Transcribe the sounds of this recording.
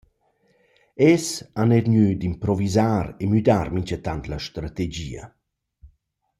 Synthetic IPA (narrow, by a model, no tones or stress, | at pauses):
ɛsanɛɾɲyd̪impɾɔvizaːɾemyd̪aɾmiɲt͡ʃət̪ant̪lɐʃt̪ɾat̪ed͡ʑḭːə̰